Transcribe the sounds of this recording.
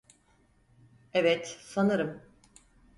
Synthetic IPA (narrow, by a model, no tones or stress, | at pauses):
evɛt̪sanɯɾɯm